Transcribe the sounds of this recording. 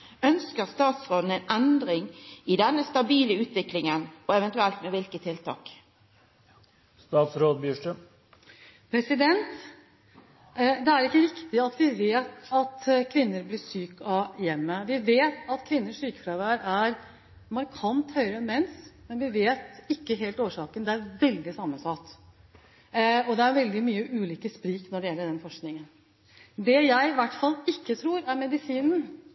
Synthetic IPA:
œnskəʁst̪ɑːt̪sʁoːd̪n̩ɛɪnɛnd̪ɾɪŋɪd̪ɛnːəst̪ɑbiːləʉːt̪ʋɪklɪŋənɔɛʋɛnt̪ʉɛlt̪mɛʋɪlkət̪ʰːɪlt̪ʰɑ̰ːk | st̪ɑːt̪sɾoːd̪̚bjyːʂʈə | pʰɾɛsɪd̪ɛnt̪ | d̪ɛæɾɪkːəɾɪkt̪ɪɑt̪ʋɪʋeːt̪ɑt̪kʰʋɪnːəɾblɪʂyːkɑjɛmːəʋɪʋeːt̪ɑt̪kʰʋɪnːəʂyːkfɾɑʋæːɾæɾ | mɑɾkʰɑnt̪hœʏɾəɛnmɛnsmɛnʋɪʋeːt̪ɪkːəɦeːlt̪oːʂɑːkənd̪ɛæɾʋɛld̪ɪsɑmːənsɑt̪ː | ɔd̪ɛæɾʋɛld̪ɪmyːəʔʉːliːkəspɾiːknɔɖɛjɛlːəɖɛnfɔʂknɪŋən | d̪ɛjæɪʋæʈːfɑlːɪkːət̪ʰɾuːɾæɾmɛd̪ɪsiːnn̩

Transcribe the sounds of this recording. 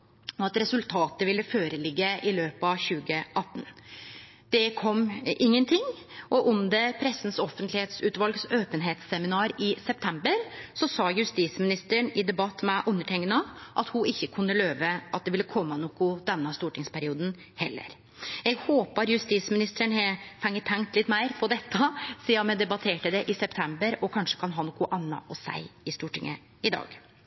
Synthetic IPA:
ɔɑt̪ɾɛsʉlt̪ʰɑːt̪əʋɪlːəføːɾəlɪɡːəɪløːpɑɕʉːɡəʔɑt̪ːn̩ | d̪̥ɛkʰɔmːɪŋːənt̪ʰɪŋːʔɔʔʊmd̪ɛpʰɾɛsːn̩sɔfənt̪lɪheːt̪sʉːt̪ʋɑlɡsøːpənɦeːt̪sɛmɪnɑːɾɪsɛp̚t̪ʰɛmbəɾsɔsɑːjʉst̪iːsmɪnɪst̪əɳɪd̪ɛbɑt̪ːmɛʔʉnːəʈʰɛŋːənəʔɑ̰t̪hʊɪçːəkʰʉnːəløːʋəʔɑt̪̚d̪ɛʋɪlːəkʰɔmːɑnɔkːʊd̪ɛnːəst̪uːʈɪŋspæɾɪuːd̪n̩ | hɛlːə̰ɾ | ɛɡhoːpəɾjʉst̪iːsmɪnɪst̪əɾəɳɛfɛŋːət̪ʰːɛŋkt̪lɪt̪ːmæɪɾpʰɔd̪ɛt̪ʰːəsiːɑmɛd̪ɛbɑt̪ʰeːʈəd̪ɛʔɪsɛpt̪ʰɛmbəɾɔkʰɑnʂə̥kʰɑnɦɑːnɔkʊʔɑnːɑ̰ʔɔsæ̰ɪɪst̪uːʈɪ̰ŋːə̰ | ɪd̪ɑ̰ːɡ

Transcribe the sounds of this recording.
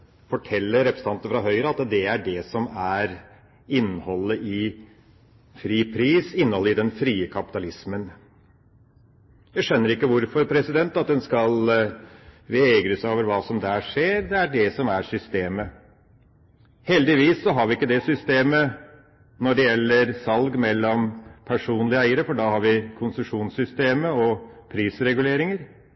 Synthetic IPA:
fɔʈʰɛlːəɾɾɛpɾəst̪ɑnt̪əəfɾɑɦœʏɾəɑt̪d̪ɛæɖɛsɔmæɾ | ɪnːəhɔlːəʔɪ | fɾiːpʰɾiːsɪnːəhɔlːəɪd̪ɛnfɾiːəkʰɑpɪt̪ɑlɪsmən | jæɪʂœnːəɾɪkːəʋʊɾfɔɾpʰɾɛsɪd̪ɛnt̪ɑt̪̚d̪ɛnskɑl | ʋɛɡɾəsoːʋəɾʋɑːsɔmd̪æːʂeːɾd̪ɛæɖɛsɔmæɾsʏst̪eːmə | hɛld̪ɪʋiːsːɔɦɑɾʋɪɪkːəd̪ɛsʏst̪eːmə | nɔɖɛjɛlːəɾsɑlɡmɛlːɔmpʰæʂuːnlɪæɪəɾəfɔɖɑːhɑɾʋɪkʰʊnsʉʂuːnsʏst̪eːməɔpʰɾiːsɾɛɡʉleːɾɪŋəɾ

